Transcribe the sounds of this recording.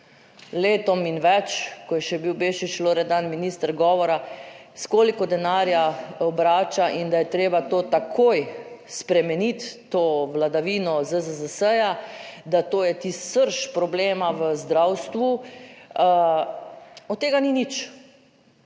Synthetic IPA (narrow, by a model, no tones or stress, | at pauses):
leːt̪ɔminʋɛt͡ʃkɔjɛʃɛbiwbeːʃiʃloːɾɛd̪anminiːst̪əɾɡɔːʋɔɾa | skoːlikɔd̪ɛnaːɾjaɔbɾaːt͡ʃaʔind̪ajɛt̪ɾeːbat̪oːt̪akʰoːjspɾɛmɛnit̪ːoːʋlad̪aʋiːnɔzəzəzəsəjad̪at̪oːjɛt̪issəɾʃpɾɔbleːmaʋəzd̪ɾawst̪ʋu | ɔt̪t̪ːeːɡaninit͡ʃ